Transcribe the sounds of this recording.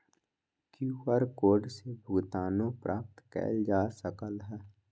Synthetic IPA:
kjũːəɾkoːɾɖsebʱʊɡt̪aːnõpɾʔaːp̚t̪kɛ̰ːld͡ʒaːsəkəlɦɛː

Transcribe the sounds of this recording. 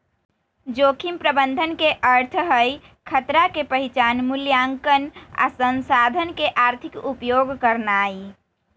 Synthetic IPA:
d͡ʒokʰimpɾəbənd̪ʱənkeʔəɾt̪ʰɦəj | kʰət̪ɾakepəɦit͡ʃanmuljaŋkəna̰sənsad̪ʱənkeʔaɾt̪ʰikupjoɡkəɾnaːi

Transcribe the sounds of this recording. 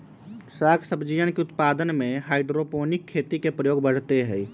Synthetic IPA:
sakʰsəbd͡ʒijənkeʊt̪pad̪ənmẽɦaiɖɾoponikʰːet̪ikepɾəjoːɡbəɽ̤t̪eɦəj

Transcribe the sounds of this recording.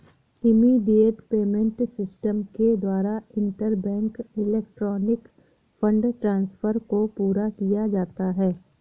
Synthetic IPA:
ɪmiɖieːt̪peːmẽɳʈsɪsʈəmked̪waːɾaɪ̃ɳʈəɾbɛ̃ːŋkɪleːk̚ʈɾɔːnɪk | fə̃ɳɖʈɾãːnsfʰəɾkopuːɾakijad͡ʒaːt̪aɦɛː

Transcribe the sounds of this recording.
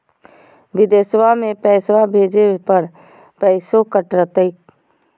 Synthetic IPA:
ʋɪd̪eːswamẽpɛːswabʱeːd͡ʒepəɾ | pɛɪsokəʈɾət̪əɪk

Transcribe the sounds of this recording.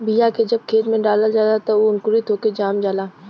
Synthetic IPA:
bijaked͡ʒɐb̚kʰeːt̪mẽɖaːlazaːd̪at̪aoʊnkʊɾit̪ɦoːked͡ʒaːmd͡ʒaːlaː

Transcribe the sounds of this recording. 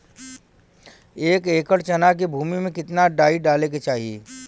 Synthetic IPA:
eːkeːkəɽt͡ʃɐnaːk̬ibʱuːmimẽkɪt̪naɖaːiɖaːlek̬et͡ʃaːɦijḛː

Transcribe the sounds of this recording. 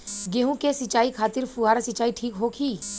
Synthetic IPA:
ɡeːɦũkesɪt͡ʃaːikʰaːt̪ɪɾpuɦaːɾasɪt͡ʃaːiʈʰiːkɦoːkʰiː

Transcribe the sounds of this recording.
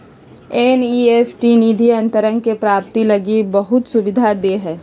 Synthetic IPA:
eniːeːfʈiniːd̪ʱiɐ̃nt̪əɾə̃ŋɡkepɾaːpt̪ilɐɡibɐɦʊt̪sʊbɪd̪ʱad̪eːɦɛː

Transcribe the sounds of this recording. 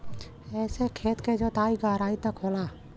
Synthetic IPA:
ɛːsekʰeːt̪ked͡ʒoːt̪aːiɡaːɾaːit̪ɐkɦoːlaː

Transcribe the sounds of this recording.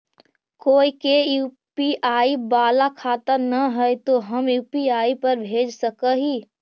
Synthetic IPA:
koːikejuːpiʔaːibaːlakʰaːt̪ənəɦɛjt̪oɦəmjuːpiaːipəɾbʱeːd͡ʒsəkəɦiː

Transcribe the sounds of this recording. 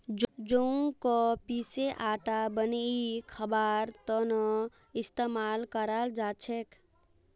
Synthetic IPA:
d͡ʒoukɔpiseʔaʈabənikʰəbaɾt̪ɔnə | ist̪emalkəɾald͡ʒat͡ʃʰek

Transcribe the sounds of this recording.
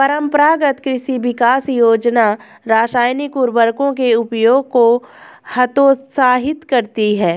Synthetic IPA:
pɐɾə̃mpɾaːɡət̪kɾɪʃiʋɪkaːsjoːd͡ʒna | ɾaːʃaːjnikuɾbəɾkõkeʊpjoːɡ̚kohɐt̪oːsaːɦɪt̪kɐɾt̪iɦɛː

